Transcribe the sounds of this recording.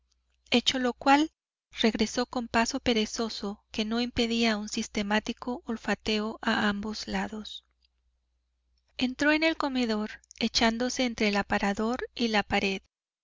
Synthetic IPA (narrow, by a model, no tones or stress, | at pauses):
e̞t͡ʃo̞lo̞kwal | re̞ɣɾe̞so̞ko̞mpaso̞pe̞ɾe̞so̞so̞ke̞no̞impe̞ðiaunsist̪e̞mat̪iko̞ʔolfat̪e̞oʔaambo̞zlaðo̞s | e̞nt̪ɾo̞e̞ne̞lko̞me̞ðo̞ɾe̞t͡ʃand̪o̞se̞ːnt̪ɾe̞ːlapaɾaðo̞ɾilapaɾe̞ð